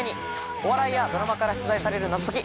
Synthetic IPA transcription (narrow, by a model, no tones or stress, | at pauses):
ɲ̟i | o̞βaɾaijad̪o̞ɾamakaɾaɕi̥t͡sɨzaisaɾe̞ɾɯ̟nazot̪okʲi